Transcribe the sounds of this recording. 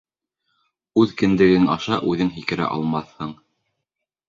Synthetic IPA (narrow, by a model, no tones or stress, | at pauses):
ʉðkɘ̆nd̪ɘ̆ɡɘnɑʃɑʔʉðɘŋɦikɘ̆ɾæ̰ʔɑ̰lˠmɑθhɤɴ